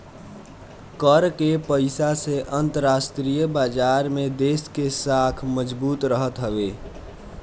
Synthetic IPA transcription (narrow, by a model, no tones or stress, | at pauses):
kəɾkepəɪsaseʔənt̪əɾasʈɾijəbaːd͡ʒaɾmed̪eskesakʰməd͡ʒbuːt̪ɾəɦət̪ɦəbe